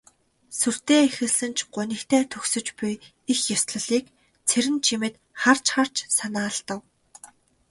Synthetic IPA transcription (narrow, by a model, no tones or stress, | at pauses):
sur̥t̪eːexɘ̆ɮsɘ̆nt͡ɕɢ̥ʊnʲĭkt̪ʰeːt̪ʰɵxsɵ̆t͡ɕpuj | ixjɔsɮə̆ɮiːk | t͡sʰeɾɘ̆nt͡ɕʰimɘ̆t̪ | χar̥t͡ɕχar̥t͡ɕsanaːɮt̪ə̆w